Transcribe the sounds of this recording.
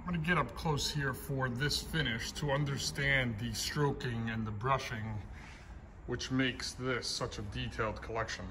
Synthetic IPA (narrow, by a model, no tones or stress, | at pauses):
mɡʌnɨɡɛɾʌp̚kʰl̥oʊshiɹfə˞ðɪsfɪ̃ñɪʃtʰəʌ̃ndə˞stæ̃nðɨstɹ̥oʊkɪ̃ŋɨ̃nðəbɹʌʃɪ̃ŋ | wɨt͡ʃmeɪksðɪsʌt͡ʃɨditʰeɪlˠd̚kʰəlɛkʃɨ̃n